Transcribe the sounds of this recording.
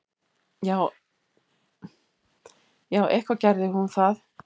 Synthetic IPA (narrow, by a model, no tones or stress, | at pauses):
jaːw | jaːwʔɛhkvacɛɾðɪhunθaθ